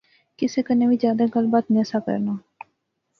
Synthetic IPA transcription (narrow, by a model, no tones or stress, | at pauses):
kɪsekəneʋid͡ʒjaːd̪aɡəlbaːt̪neːsakə̰ɾnaː